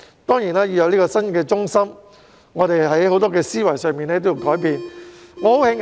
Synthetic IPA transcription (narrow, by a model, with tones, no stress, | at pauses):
t̪ɔː˥ŋjiː˨˩naː˥juː˨˧jɐ˨wliː˥kɔː˧sɐ˥nkɛː˧t͡ʃʊ˥ŋsɐ˥m | ŋɔː˨˧t̪e˨jɦɐ˨˦jho˨˧wt̪ɔː˥kɛː˧siː˥wɐ˨˩jsœː˨˧ŋmi˨nɛː˥t̪o˥jʊ˨˩kɔː˨˥jpiː˨nŋɔ˨˧ho˨˥whe˨˥ŋ